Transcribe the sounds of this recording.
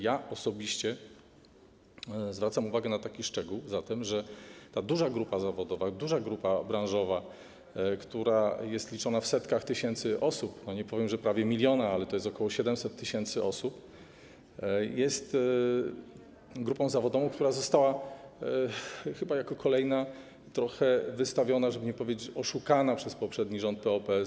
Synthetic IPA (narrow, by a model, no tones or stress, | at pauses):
jaɔsɔbʲiɕt͡ɕɛ | zvɾat̪samuvaɡɛnat̪akʲiʂt͡ʂɛɡuwzat̪ɛmʐɛt̪ad̪uʐaɡɾupazavɔd̪ɔvad̪uʐaɡɾupabɾãw̃ʐɔva | kt̪uɾajɛst̪lʲit͡ʂɔnafsɛt̪kaxt̪ɘɕɛnt̪sɘʔɔsupnɔɲɛpɔvjɛmʐɛpɾavʲjɛmʲilʲjɔnaalɛt̪ɔjɛst̪ɔkɔwɔɕɛd̪ɛmsɛt̪ʰːɘɕɛnt̪sɘʔɔsup | jɛst̪ | ɡɾupɔ̃w̃zavɔd̪ɔvɔ̃w̃kt̪uɾazɔst̪awa | xɘbajakɔkʰɔlɛjna | t̪ɾɔxɛvɘst̪avʲjɔnaʐɛbɘɲɛpɔvʲed͡ʑt͡ɕɔʂukanapʂɛspɔpʂɛd̪ɲiʐɔnt̪̚pɛɔpɛ